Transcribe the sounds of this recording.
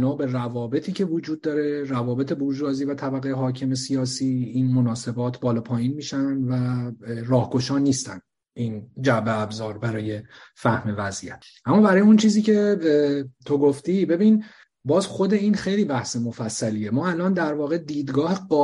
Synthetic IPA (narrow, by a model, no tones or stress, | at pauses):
nɒːbe̞rævɒːbe̞t̪ʰiːcʰe̞vod͡ʒuːd̪̚ːɒːɾe̞ɾævɒːbe̞t̪ʰe̞buɾd͡ʒɾɒːziːvæt̪ʰæbæɣejeɦɒːcʰe̞me̞sijɒːsiːinmo̞nɒːse̞bɒːt̪ʰbɒːlɒːpʰɒːjiːnmiːʃænd̪værɒːhɡo̞ʃɒːniːst̪æ̰n | ʔiːnd͡ʒæbeæbzɒːɾbæɾɒːje̞fæhmevæzʔḭjæt̪ | ʔæmːɒːbæɾɒːjeunt͡ʃʰiːziːcʰe̞ | t̪ʰo̞ɡoft̪ibe̞bin | bɒːzxo̞d̪e̞iːnxe̞jliːbæhse̞mo̞fæsːæliːjemɒːælɒːnd̪æɾvɒːɣe̞d̪iːd̪ɡɒːheɡɒː